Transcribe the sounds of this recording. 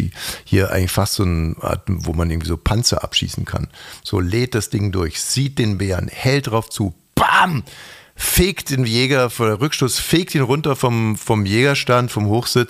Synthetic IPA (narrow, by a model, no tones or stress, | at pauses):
ḭhiːɐʔa̰ɪŋ̩lɪçfastz̥oːnəʔa̰ːɐtvo̰ːmanʔɪɐɡŋ̩v̥iːzoːpʰant͡sɐ̰ʔa̰pʃḭːsn̩kʰa̰nz̥oːleːt̚d̥asd̥ɪŋdʊɐçz̥iːt̚d̥eːnbeːʁɐnhɛlt̚d̥ʁaʊft͡suː | b̥am | feːkt̚d̥eːnjɛːɡɐfɔdeʁʏkʃtʊsfeːk̚tiːnʁʊntɐfɔmfɔmjeːɡɐʃtantfɔmhoːxz̥ɪt͡s